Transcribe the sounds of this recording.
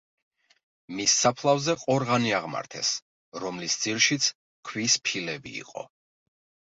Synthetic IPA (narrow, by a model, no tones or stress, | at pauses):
misːapʰlˠavzɛqʼɔɾʁaniaʁma̰ɾt̪ʰɛ̰s | ɾɔmlisd̪ziɾʃit̪sʰ | kʰwispʰilɛbḭːqʼɔ̰